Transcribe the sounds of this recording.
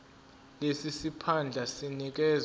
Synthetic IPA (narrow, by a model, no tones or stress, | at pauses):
lesisipʰand͡ɮʱasinik̬ɛz